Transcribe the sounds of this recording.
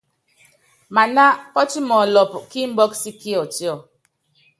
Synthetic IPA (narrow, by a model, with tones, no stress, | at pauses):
ma˨na˦pɔ˦ti˦mɔ˨lɔ˨pki˦m̩˦bɔ˦ksi˦ki˦ɔ˨ti˦ɔ˨